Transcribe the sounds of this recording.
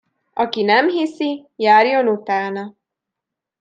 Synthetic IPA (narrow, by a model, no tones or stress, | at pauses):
ɒkinɛmɦisijaːrjo̞nut̪aːnɒ